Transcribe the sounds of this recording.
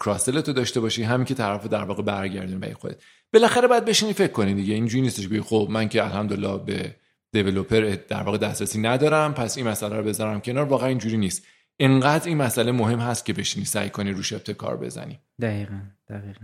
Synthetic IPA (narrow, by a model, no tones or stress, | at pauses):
kʰɾɒse̞le̞t̪ʰod̪ɒʃt̪e̞bɒːʃiːɦæmiːŋcʰe̞t̪ʰæɾæfod̪æɾvɒːɣebæɾɟæ̰ɾd̪unibæ̰ɾḭxod̪et̪ | b̥e̞læxæɾe̞bɒjæd̪be̞ʃiniːfe̞cʰːo̞nid̪iɟeind͡ʒuːɾiːnist̪e̞ʃ̬beɡixo̞bmæncʰe̞ælhæmd̪olːɒ̰hbe̞̰ | d̪̥e̞ve̞lopʰe̞ɾed̪̥æ̰ɾvɒːɣe̞d̪æst̪ɾæsiːnæd̪ɒːɾæmpʰæsinmæsælæɾobe̞zæɾæmcʰe̞nɒːɾvɒːɣeæniːnd͡ʒuːɾiːniːst̪ | ʔeŋɢæd̪ɾinmæsʔælemoɦe̞mɦæst̪̚cʰe̞be̞ʃiniːsæ̰jkʰo̞niɾuːʃep̚t̪ʰe̞kʰɒ̰ɾbḛzæ̰nḭ | d̪æɣiːɣænd̪̥æʁiːɣ